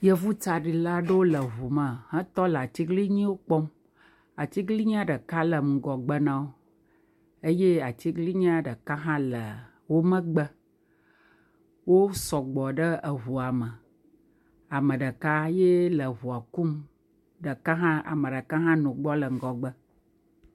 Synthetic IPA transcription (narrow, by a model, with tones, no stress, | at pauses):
jə˦vu˦t͡ʃa˨ɖi˨la˦ɖə˦wo˦lə˨ɦu˨mə˨hə̃˦t̪ɔ˦lə˨a˨t͡ɕi˦ɡli˦ɲĩ˦wo˦k͡pɔ˦m | a˨t͡ɕi˦ɡli˦ɲĩ˦a˦ɖə˨ka˦lə˨ŋ̩˨ɡɔ˨ɡ͡bə˦nã˦wo˦ | e˦je˦a˨t͡ɕi˦ɡli˦ɲĩ˦a˦ɖə˨ka˦ɦã˦lə˨ | wo˦mə̃˦ɡ͡bə˦ | wo˦sɔ˨ɡ͡bɔ˨ɖə˦ə˨ɦu˨a˨mə˨ | a˨mə̃˨ɖə˨ka˦je˦lə˨βu˨a˨ku˦m | ɖə˨ka˦ɦã˦a̰˨mə̃˨ɖə˨kã˦ɦã˦nũ˨ɡ͡bɔ˦lə˨ŋ̩˨ɡɔ˨ɡ͡bə˦